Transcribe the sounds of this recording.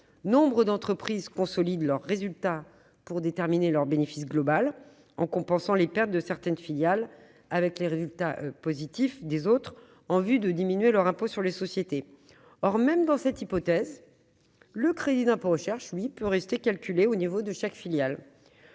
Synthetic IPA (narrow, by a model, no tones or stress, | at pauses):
nɔ̃bʁəd̪ɑ̃t̪χəpχizkɔ̃sɔlid̪lœʁːezylt̪a | puʁd̪et̪ɛʁminelœʁbenefisɡlɔbal | ɑ̃kɔ̃pɑ̃sɑ̃lepɛʁt̪̚d̪əsɛʁt̪ɛnfiljal | avɛkleʁezylt̪aʔpozit̪ifd̪ezot̪χ | ɑ̃vyd̪əd̪iminɥelœʁɛ̃posyʁlesɔsjet̪e | ɔʁmɛmd̪ɑ̃sɛt̪ipɔt̪ɛz | ləkχed̪id̪ɛ̃poʁəʃɛʁʃlɥipøʁɛst̪ekalkʲyleonivod̪əʃakfiljal